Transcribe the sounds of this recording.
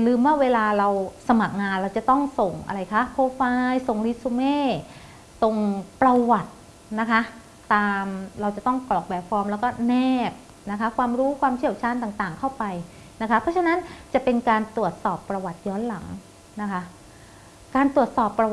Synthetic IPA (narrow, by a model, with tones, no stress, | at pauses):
lɯː˧mwa˥˩weː˧laː˧ɾa˧wsa˧ma˨˩k̚ŋaː˧nɾa˧wt͡ɕa˨˩t̪ɔ˥˩ŋso˨˩ŋʔa̰˧ɾa˧jkʰa˦˥kʰoː˧faː˧jso˨˩ŋɾi˦˥t̪̚su˧meː˥˩ | so˨˩ŋpɾa˧wa˨˩t̪̚ | na˦˥kʰaː˦˥ | aː˧mɾa˧wt͡ɕa˨˩t̪ɔ˥˩ŋklɔː˨˩k̚bɛː˨˩t̚fɔː˧mlɛː˦˥wkɔː˥˩nɛː˥˩p̚ | na˦˥kʰa˦˥kʰwaː˧mɾuː˦˥kʰwaː˧mt͡ɕʰi˥˩əwt͡ɕʰaː˧˥nt̪aː˨˩ŋt̪aː˨˩ŋkʰa˥˩wpa˧j | na˦˥kʰa˦˥pʰɾɔ˦˥t͡ɕʰa˧na˦˥nt͡ɕa˨˩pe˧nkaː˧nt̪u˨˩ət̪̚sɔː˨˩pːɾa˧wa˨˩t̪̚jɔː˦˥nla˩˦ŋ | na˦˥kʰa˦˥ | kaː˧nt̪ɾu˨˩ət̪̚sɔː˨˩pːɾa˧